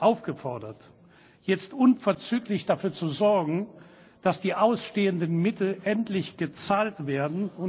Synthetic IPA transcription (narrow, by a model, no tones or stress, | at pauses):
ʔaʊfɡ̥əfɔɐdɐt | jɛt͡stʔʊnfɛɐt͡syːklɪçd̥afyːɐt͡suzɔɐɡŋ̩ | d̥asd̥iːʔaʊsʃteːəndənmɪtl̩ʔɛntlɪçɡ̥ət͡saːltv̥eːɐdn̩ʊn